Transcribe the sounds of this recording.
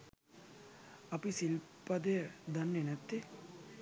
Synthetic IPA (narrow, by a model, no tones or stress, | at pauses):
ɐpisilpɐd̪ed̪ɐnːenɐt̪ːe